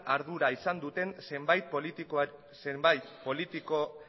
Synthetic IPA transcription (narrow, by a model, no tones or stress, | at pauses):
ʔaɾðuɾaisand̪ut̪e̞nsembajt̪̚p | sembajt̪po̞lit̪iko